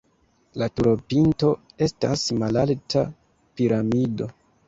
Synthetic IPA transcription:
latuɾo̞pinto̞e̞stasmalalta | piɾamido̞

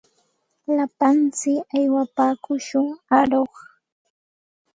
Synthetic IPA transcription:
lapant͡sɪkajwapaːkʊʃʊŋaɾoχ

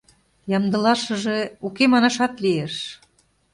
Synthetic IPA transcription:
jɑmd̪ə̆lɑʃə̆ʒeukemɑnɑʃɑt̪lieʃ

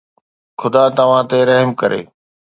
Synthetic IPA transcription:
xʊd̪at̪ɐʋ̤ãt̪eɾɐɦmkɐɾʔḛː

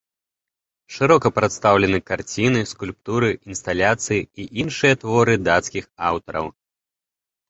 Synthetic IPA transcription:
ʂɨɾɔkɐpɾɐt̪st̪awlʲɛnɨkart͡sʲinɨskulʲp̚t̪uɾɨinst̪alʲat̪sɨjiiʔinʂɨjɐt̪vɔɾɨd̪at̪skʲixawt̪ɐɾɐ̰w

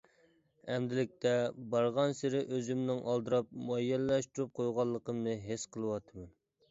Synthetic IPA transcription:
ɛmd̪ɪlɪk̚ʲt̪ʰɛbɑɾʁɑnsɪɾɪʔøzymnɪŋʔɑlˠd̪ɨɾɑp̚muɑjːɛllɛʃt̪uɾup̚qʰojʁɑlˠːəqəmnɨɦesqʰəlˠəwɑt̪ʰɨmɛn

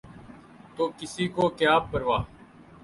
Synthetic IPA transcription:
t̪oːkɪsiːkoːkjaːb̚pəɾʋaː

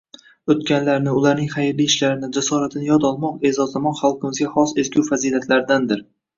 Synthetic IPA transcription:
ɵt̪kʲanlaɾnɪʊlaɾnɪŋχajɾlijːʃlaɾɪnɪd͡ʒasɒɾat̪ʰɪnɪjɒd̪ɒlˠmɒqe̞zɒzamɒnχalˠqʰɨmɪzɡʲaχɒse̞skʲʰʊwfaziːlat̪ʰlaɾɪd̪and̪ɪɾ

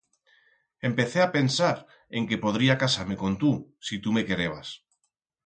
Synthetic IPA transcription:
e̞mpe̞θeape̞nsaɾ | e̞ŋke̞po̞ð̞ɾiakasaɾme̞kõ̞nt̪usit̪ume̞ke̞ɾeβ̞as

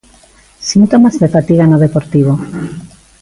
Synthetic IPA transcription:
sint̪omazðefat̪iɣanoð̞epoɾt̪iβ̞o

